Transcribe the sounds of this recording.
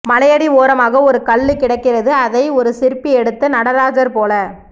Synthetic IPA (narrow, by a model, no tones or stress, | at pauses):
mɐlɐjɐɽioːɾɐmaːɣɐɔɾɯkɐɭːɯkːɪɽɐɪkːɪrɐðɯɐðɐɪɔɾɯsɪɾpːiɛɽɯt̪ːɐnɐɽɐɾaːd͡ʒɐɾpoːlɐ